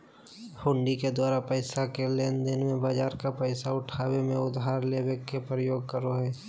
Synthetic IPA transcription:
hʊ̃ɳɖiked̪waːɾapəɪsakeleːnd̪ɪnmẽbaːd͡ʒaːɾkapəɪsaʊʈʰaːwemẽʊd̪ɦaːɾlewekːepɾəjoːɡ̚kəɾoɦɛː

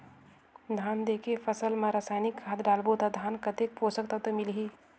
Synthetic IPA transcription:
d̪ʱaːnd̪eːkepʰəsəlmãɾasaːjnikʰːaːt̪ɖaːlbot̪ad̪ʱaːnkət̪ek̚poːsəkt̪ət̪əmɪlɦi

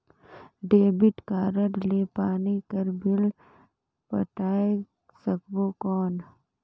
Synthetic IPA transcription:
ɖeːbɪʈkaːɾəɾleːpaːnikəɾbʱɪl | pə̰ʈaːe | səkbokɔːn

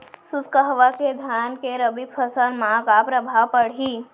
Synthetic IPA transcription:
suskəɦʋaked̪ʱjankeɾəbipʰəsənmãkapɾəbʱaʋpəɽ̤i

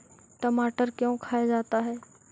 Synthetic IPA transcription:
ʈəmaːʈəɾkjõːkʰaːed͡ʒaːt̪aɦɛː

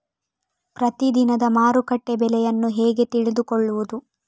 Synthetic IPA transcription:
pɾɐt̪id̪inɐd̪ɐmaːɾukɐʈːebɛlɛjɐnːuɦɛːɡe̞t̪iɭid̪ukɔɭːuʋud̪u

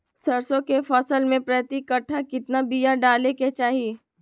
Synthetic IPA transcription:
sɐɾsõkefɔːsəlmẽpɾɐt̪ikəʈʰːakɪt̪nabijaɖaːleket͡ʃaːɦie

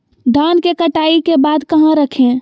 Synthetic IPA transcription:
ɖʱankekəʈaikebad̪kəɦə̃ɾəkʰẽ

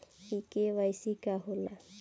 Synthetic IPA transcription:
ikeʋajsikaɦola

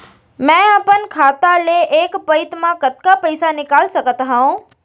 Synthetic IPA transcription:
mɛ̃əpənkʰaːt̪aleʔeːkpɐɪt̪mãkɐt̪kapəɪsanɪkaːlsɐkət̪ɦaõ

